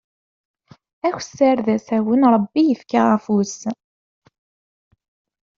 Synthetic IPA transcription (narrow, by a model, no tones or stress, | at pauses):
æçsːaɾðæsæwənɾˤbːijəfkaʁæfus